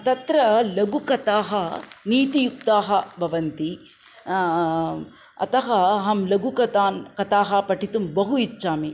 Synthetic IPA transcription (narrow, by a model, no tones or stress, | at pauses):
t̪ɐt̪ɾɐlɐɡukɐt̪aːɦɐniːt̪ijuk̚t̪aːɦɐbʱɐʋɐnt̪i | ɐ̰t̪ɐɦɐɦɐmlɐɡukɐt̪aːnkɐt̪aːɦɐpɐʈit̪umbɐɦuit͡ʃːʃaːmi